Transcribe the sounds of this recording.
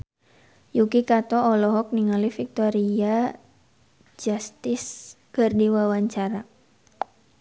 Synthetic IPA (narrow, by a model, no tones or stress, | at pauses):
jukikat̪ɔɔlɔɦɔk̚niŋalifik̚t̪ɔɾia | d͡ʒast̪ɪs | kərdiwawaɲt͡ʃaɾa